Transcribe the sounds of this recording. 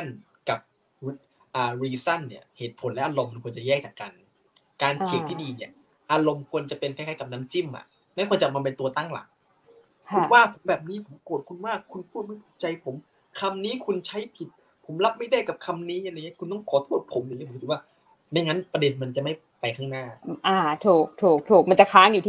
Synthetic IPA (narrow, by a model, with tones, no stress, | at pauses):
a˥˩n | ka˨˩p̚ | wu˦˥t̪̚ | ʔaː˨˩ɾiː˧sa˥˩nːi˦˥˩ɐheː˨˩t̪̚pʰo˩˦nlɛ˦˥ʔaː˧lo˧mːa˧nkʰu˧ənt͡ɕa˨˩jɛː˥˩k̚t͡ɕaː˨˩kːa˧n | kaː˧nsʰi˨˩˦t̪ʰiː˥˩diː˧ni˦˥˩ɐ | ʔaː˧ɾo˧mkʰu˧ənt͡ɕa˨˩pe˧nkʰːkaː˦˥˩ka˨˩naː˦˥mt͡ɕi˥˩mʔa̰˨˩ʔ | ma˥˩jkʰɔː˧˩t͡ɕa˨˩ma˧npe˧nt̪u˧ɐt̪a˥˩ŋla̰˨˩˦k̚ʰː | waː˥˩pʰo˩˦mbɛː˨˩p̚niː˦˥pʰo˨˦mkoː˨˩t̪̚kʰu˧nmaː˥˩kʰːu˧npʰu˥˩t̪̚ma˥˩jt̪ʰuː˨˩k̚t͡ɕa˧jpʰo˩˦m | kʰa˧mniː˦˥kʰu˧nt͡ɕʰa˦˥jpʰi˨˩t̪̚ | pʰo˩˦mla˦˥p̚ma˥˩jda˥˩jka˨˩p̚kʰa˧mniː˦˥ʔa˧a˧ŋːi˦˥˩kʰu˧nt̪ɔ˥˩ŋkʰɔː˨˦t̪ʰuː˥˩t̪̚pʰo˩˦mja˨˩ŋi˦˥pːtʰi˨˩waː˥˩ | na˧˩jŋa˦˥npɾa˧de˧nma˧nt͡ɕa˨˩ma˥˩ | pa˧jkʰaː˥˩ŋnaː˥˩ʔaː˧˩t̪ʰuː˨˩k̚t̪ʰuː˨˩k̚t̪ʰuː˨˩k̚ma˧nt͡ɕa˨˩kʰaː˦˥ŋjuː˨˩˥